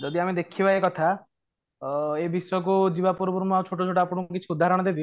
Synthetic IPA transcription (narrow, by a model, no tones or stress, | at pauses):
d͡ʒɔd̪iamed̪ekʰibaekɔt̪ʰa | ebisɔjɔkud͡ʒibapuɾbuɾmɔawt͡ʃʰoʈot͡ʃʰoʈapɔɽ̃ũkuk̬it͡ʃʰiud̪ʱːaɦɾɔɽ̃ɔd̪ebi